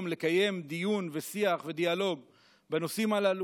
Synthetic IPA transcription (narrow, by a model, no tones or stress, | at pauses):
mle̞kaje̞md̪ijunvesiaχve̞d̪ialo̞ɡ | beno̞simalalu